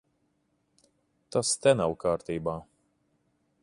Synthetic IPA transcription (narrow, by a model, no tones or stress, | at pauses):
t̪ast̪ɛnawkaːɾt̪iːbaː